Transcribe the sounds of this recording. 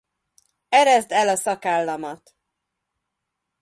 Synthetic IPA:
ɛɾɛzd̪ɛlɒsɒkaːlːɒmɒt̪

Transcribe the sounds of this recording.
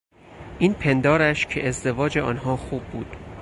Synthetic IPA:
ʔiːnpʰe̞nd̪ɒːɾæʃcʰe̞ʔezd̪e̞vɒːd͡ʒeɒːnɦɒːxuːbːuːd̪̥

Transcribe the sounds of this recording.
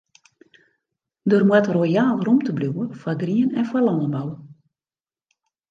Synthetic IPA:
dərmwɛtrojaːlˠromtəbluwəfwaɡriənɛnfwalɔnənbaw

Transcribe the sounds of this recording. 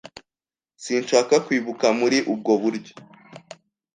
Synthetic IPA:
sinʃaːkakwiːβukamuɾiʔub̚ɡo̞βuɾɟo̥

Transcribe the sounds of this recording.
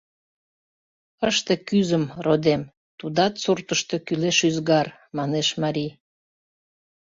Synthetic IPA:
əʃt̪ekyzəmrod̪em | t̪ud̪ɑt̪surt̪əʃt̪e̽kyleʃyzɣɑr | mɑneʃmɑɾi

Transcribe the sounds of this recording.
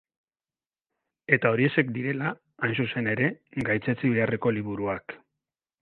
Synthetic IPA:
e̞t̪ao̞ɾie̞se̞kd̪iɾe̞la | ansuse̞ne̞ɾe̞ɡajt͡set͡siβ̞e̞are̞ko̞liβ̞uɾuak

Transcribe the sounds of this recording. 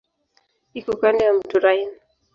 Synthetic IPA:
ikukaniamduɾajn

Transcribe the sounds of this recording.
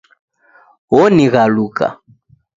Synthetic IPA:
wɔniɣaluka̰

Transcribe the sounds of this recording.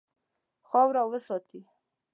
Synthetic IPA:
xɑwɾawəsɔt̪i

